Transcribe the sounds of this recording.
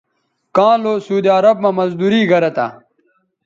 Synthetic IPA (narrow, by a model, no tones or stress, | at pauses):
kãːloːsuːd̪iɐɾɐb̚mɐmɐzd̪uɾiːɡɐɾɐt̪a̰